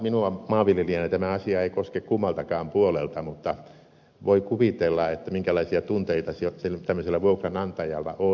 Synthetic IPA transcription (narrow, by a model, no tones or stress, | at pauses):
minuɑmɑːʋʋiljeliɑnit̪æmæɑsiɑeikoskekkumːɑlt̪ɑkɑːmpuolelt̪ɑmut̪ːɑ | ʋoikuʋit̪elːɑet̪ːæmiŋkælɑisiɑt̪unt̪eit̪ɑseselt̪æmːøselːæʋuoukrɑnɑnt̪ɑjɑ̰lːɑ̰ʔo